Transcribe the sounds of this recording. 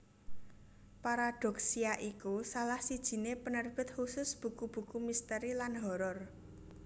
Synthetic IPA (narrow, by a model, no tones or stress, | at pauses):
paɾaɖ̪̥ɔ̤k̚siaʔikusalahsid̥ʒ̥i̤nepənərb̥ɪ̤t̪̚husʊsb̥ṳkub̥ṳkumist̪əɾilanɦɔɾɔr